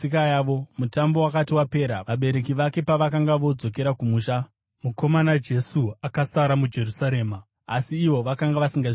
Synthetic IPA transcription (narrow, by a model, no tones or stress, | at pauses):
ikajaːʋomutambowakatiwape̞ːɾaʋaɓe̞ɾe̞kiʋake̞paʋakaŋɡaʋo̞d͡zo̞k̬e̞ɾakumuːʃa | muko̞manad͡ʒe̞suakasaɾamud͡ʒe̞ɾusaɾe̞ːma | asiːʋo̞ʋakaŋɡaʋasiŋɡa